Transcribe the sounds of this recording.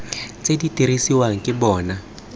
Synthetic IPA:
t͡sʼeditʼiɾisiwaŋ̩kʼɪbɔːna

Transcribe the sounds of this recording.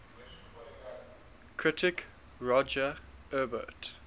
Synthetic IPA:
kʰɹɪtʰɪk | ɹɔd͡ʒəɜbə̰t

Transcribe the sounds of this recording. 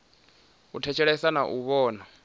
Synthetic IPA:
utʰɛt͡ʃʰɛɺɛsanaʔuβɔːna

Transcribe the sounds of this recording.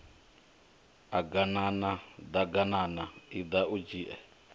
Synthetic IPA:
aɡananad̪aɡananaid̪aud͡ʒiːʔɛ

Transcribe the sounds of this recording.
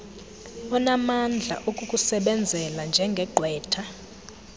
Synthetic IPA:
ɔnamand͡ɮʱa̰ʔukʼukʼusɛɓɛnd͡zʱɛland͡ʒʱɛŋɡʱɛǃʱwɛːtʰa

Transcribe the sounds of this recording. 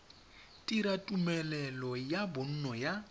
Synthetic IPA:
tʼiɾatʼumɛlɛlɔjabʊn̩nɔja

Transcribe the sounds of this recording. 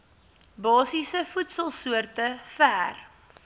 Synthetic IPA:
bɑːsisəfutsəlˠsuərtəfæːr

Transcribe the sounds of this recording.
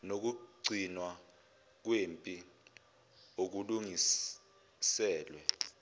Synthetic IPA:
nok̬uɡ͡ǀʱinwa | k̬wempʼi | ok̬uluŋi | sɛːlwɛ

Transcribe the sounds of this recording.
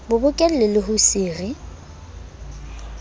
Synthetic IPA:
bʊbʊkʼɛl̩lɪlɪɦʊsiːrɪ

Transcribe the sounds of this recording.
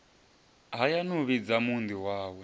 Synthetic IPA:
ɦajanuβid͡zamund̪iwaːwɛ

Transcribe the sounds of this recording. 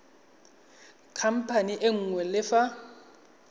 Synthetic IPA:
kʰam̩pʰaniʔeŋ̩ːŋwɛlɪfa

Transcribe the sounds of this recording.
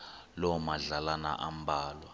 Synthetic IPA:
lɔmaɮalana̰ʔam̩bʱaːlwa

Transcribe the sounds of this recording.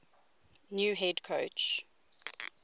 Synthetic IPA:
njuːɦɛdkʰoʊt͡ʃ

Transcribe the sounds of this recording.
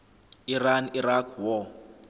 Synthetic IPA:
iraniɾakʰwɔ

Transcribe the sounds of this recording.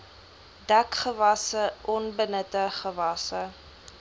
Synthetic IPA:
dækχəvɐsəʔɔnbənətəχəvɐsə

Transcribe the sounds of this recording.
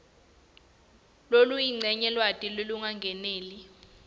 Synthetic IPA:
lolujiŋ͡ǀɛɲɛlwatʼiloluŋaŋɡʱɛneːli

